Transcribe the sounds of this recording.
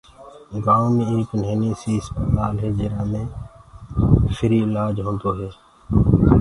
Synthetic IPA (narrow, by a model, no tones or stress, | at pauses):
ɡaːõːmẽːeːkneːniːsiːɪspət̪aːlɦeːd͡ʒeːɾaːmẽː | fʰɪɾiːɪlaːd͡ʒɦõːnd̪oːɦeː